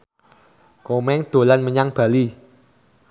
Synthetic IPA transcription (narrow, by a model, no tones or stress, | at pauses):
komɛŋd̪̥o̤lanməɲaŋb̥a̤li